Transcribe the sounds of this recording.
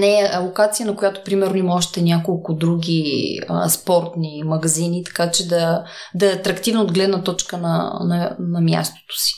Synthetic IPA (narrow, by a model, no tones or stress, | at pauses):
nɛlˠokat̪sijənɐkojat̪o̥pɾimɛɾnoimɔʃt̪ɛnʲjakolˠkʊd̪ɾuɡʲiə̰spɔɾt̪nimɐɡɐzinit̪ɐ̥kat͡ʃɛd̪ɐ | d̪ɐɛɐt̪ɾɐkt̪ivnod̪ɡlɛd̪nɐt̪ɔt͡ʃkənɐ̰nɐnɐmja̰st̪o̥t̪o̥si̥